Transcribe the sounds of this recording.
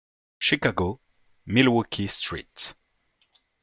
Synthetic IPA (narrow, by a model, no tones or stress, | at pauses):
ʃikaɡo | milwukʰistɹḭt